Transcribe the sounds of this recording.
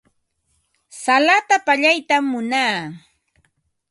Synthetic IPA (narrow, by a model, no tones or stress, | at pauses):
salat̪apaʎajt̪amːʊnaː